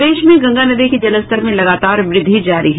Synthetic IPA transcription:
eːʃmẽɡɐ̃ŋɡanɐd̪ikid͡ʒɐləst̪əɾmẽlɐɡaːt̪aːɾʋɾɪd̪ʱːid͡ʒaːɾiɦɛ

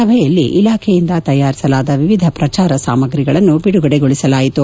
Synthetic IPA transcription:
ɐbʱɛjɐlːiʔilaːkʰejind̪ɐt̪ɐjːaːɾisɐlaːd̪ɐʋiʋid̪ʱɐpɾɐt͡ʃaːɾɐsaːmɐɡɾiɡɐɭɐnːubiɽuɡɐɽeɡoɭisɐlaːjit̪u

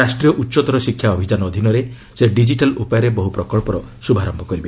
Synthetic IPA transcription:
asʈɾijɔʔutːʃɔt̪ɔɾɔsikʰjaɔbʱid͡ʒanɔɔd̪ʱinɔɾe | seɖid͡ʒiʈalupajaɾebɔɦupɾɔkɔɭpɔɾɔsubʱaɾɔmbʱɔkɔɾibe

